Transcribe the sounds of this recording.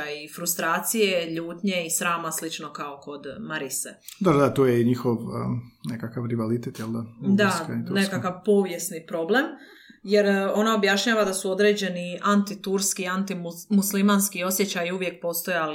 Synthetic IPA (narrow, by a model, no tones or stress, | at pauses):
ajifɾust̪ɾaːt̪sije̞ʎuːt̪ɲe̞isɾaːmaslit͡ʃno̞kao̞ko̞d̪maɾised̪ad̪at̪ojeiɲixoʋnekakaʋɾiʋalit̪et̪jeld̪ad̪akait̪uneskakaʋpo̞ʋje̞snipɾo̞ble̞m | je̞ɾo̞naobjaʃɲaːʋad̪asuo̞d̪ɾe̞d͡ʑe̞niant̪it̪uɾskiant̪imuslimanskio̞sje̞t͡ɕajiuʋje̞k̚po̞ːst̪o̞jali